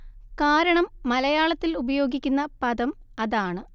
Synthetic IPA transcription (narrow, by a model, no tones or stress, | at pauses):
kaːɾɐɳɐmːɐlɐjaːɭɐt̪ːilubɐjo̞ːɡikʲːunːɐpɐd̪ɐmɐðaːɳɨ